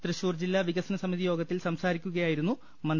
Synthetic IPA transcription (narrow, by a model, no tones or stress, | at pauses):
t̪rɨɕuːrd͡ʑilːaʋiɣɐsɐnɐsɐmiðijo̞ːɡɐt̪ːilsɐmsaːɾikʲːuɣɐjaːjiɾunːu | mɐn